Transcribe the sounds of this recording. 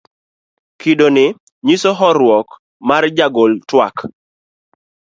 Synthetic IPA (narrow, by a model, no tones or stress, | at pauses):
kidonɪ | ɲisoɦɔɾwɔk | mard͡ʒaɡoltwak